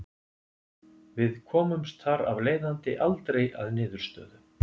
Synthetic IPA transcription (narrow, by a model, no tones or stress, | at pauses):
vɪðkʰɔːmʏmst̪θaɾa̰vleːjðant̪ɪ̰ʔalt̪ɾeja̰ðnɪːðʏɾ̥st̪œ̰ːðʏ